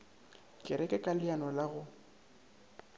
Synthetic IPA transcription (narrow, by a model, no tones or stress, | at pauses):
kʼɪɾɛkʼɛkʼalɪanɔlaɣʊ